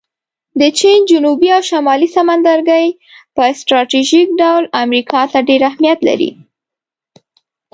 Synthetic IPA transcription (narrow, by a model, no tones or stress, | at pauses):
d̪ət͡ʃind͡ʒʊnubiawʃamɑlisamand̪aɾɡəj | pəsʈɾɑʈiʒik̚ɖawlamɾikʰɑt̪aɖeɾahmijat̪la̰ɾḭ